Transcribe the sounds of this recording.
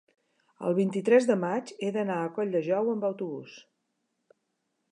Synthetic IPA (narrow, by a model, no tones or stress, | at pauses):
ə̰lˠβint̪it̪ɾɛzðəmad͡ʒeðənaəkɔʎʲd̪əʒɔwəmbəwt̪uβṵs